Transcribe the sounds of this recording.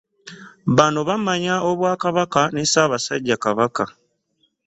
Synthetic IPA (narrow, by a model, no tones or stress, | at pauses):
βanoβamaɲao̞βwaːkaβakanesaːβasaɟːakaβaka